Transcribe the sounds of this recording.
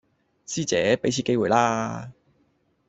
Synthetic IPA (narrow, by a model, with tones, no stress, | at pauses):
siː˥t͡sɛː˨˥pe˨˥jt͡sʰi˨˧ke˥jwuː˨˩jlaː˧